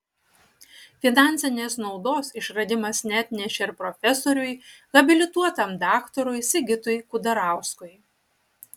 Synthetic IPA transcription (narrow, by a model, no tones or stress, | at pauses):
fʲɪnɑˑnʲsʲɛnʲeːsnɒʊd̪oːsɪʃɾɐd̪ʲɪmɐsnʲæt̪ʲnʲɛʃʲeɪɾpɾɔfʲɛsɔɾʲʊjɣɐbʲɪlʲɪt̪uɔt̪ɐmd̪ɑːkt̪ɔɾʊɪsʲɪɡʲɪt̪ʊjkʊd̪ɐɾɑˑʊskʊɪj